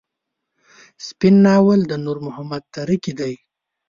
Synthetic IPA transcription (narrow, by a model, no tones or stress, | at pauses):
spɪnːɑwəld̪ənuɾmʊhamad̪̚t̪aɾikid̪aj